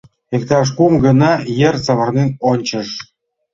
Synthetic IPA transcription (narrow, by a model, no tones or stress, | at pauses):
ekt̪ɑʃ̬kumɡə̆nɑjert͡sɑβə̆rnenonʲt͡ɕə̆ʃ